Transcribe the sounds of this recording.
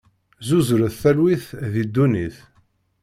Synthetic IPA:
zuzɾəθθælwiθðid̪ːuniθ

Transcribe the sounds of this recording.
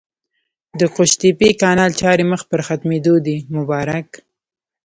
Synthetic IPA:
d̪əqʊʃt̪ipikɑnɑlt͡ʃɑɾeməxpəɾxat̪med̪od̪imʊbɑɾak

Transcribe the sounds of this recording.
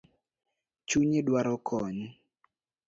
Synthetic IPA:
t͡ʃuɲedwaɾɔkʰɔɲ

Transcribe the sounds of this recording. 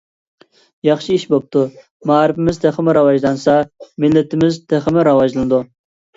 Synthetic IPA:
jɑχʃiiʃbop̚t̪ʰu | mɑːɾɪfɪmɪzt̪ʰɛχɪmɪɾɑwɑʒlˠɑnsɑmɪlːɪt̪ʰɪmɪzt̪ʰeχəmɪɾɑwɑʒlˠɨnɨd̪u

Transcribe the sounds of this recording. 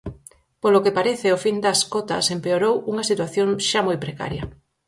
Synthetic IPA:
polokepaɾeθeofind̪ɐskot̪ɐ̰sempeoɾowuŋɐsit̪waθjoŋʃamojpɾeka̰ɾjɐ̰

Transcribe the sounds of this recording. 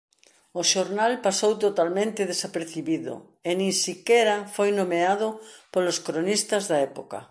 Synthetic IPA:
oʃoɾnalpasowt̪ot̪almẽnt̪eð̞esapeɾθiβiðo̰ | enĩnsikeɾafojnomeaðopoloskɾonist̪azðaɛpoka̰

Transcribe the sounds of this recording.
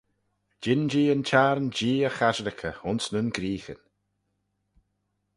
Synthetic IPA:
d͡ʒɪnd͡ʒiːənt͡ʃʰaɾənd͡ʒiːəxaʒɾɪkʰəʊnsnənɡɾiːxə̰n

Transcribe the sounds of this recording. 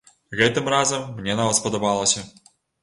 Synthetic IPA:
ɣɛt̪ɨmrɑzəmːnʲenɐʋaspɔd̪ɔbɑlˠə̆sʲɐ

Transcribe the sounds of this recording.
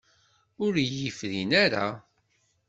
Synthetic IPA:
ʊɾjəfðinaɾa̰

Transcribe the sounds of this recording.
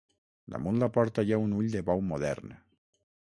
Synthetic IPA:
d̪a̰mũnlapɔɾt̪aʎaunuʎd̪eβawmoðɛ̰ɾne

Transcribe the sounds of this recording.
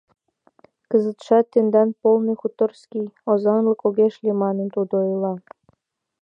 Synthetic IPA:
kəzət̪ʃɑt̪ːend̪ɑnpolnixut̪ərskʲijozɑnlɤkoɣeʃlʲimɑnənt̪ud̪oilɑ

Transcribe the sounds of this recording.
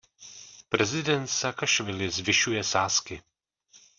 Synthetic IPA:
pɾɛzɪdɛnt̪sakaʃvɪlɪzvɪʃujɛsaːskɪ

